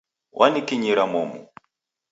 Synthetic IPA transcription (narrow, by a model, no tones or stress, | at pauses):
wʔanikiɲiɾamɔmṵ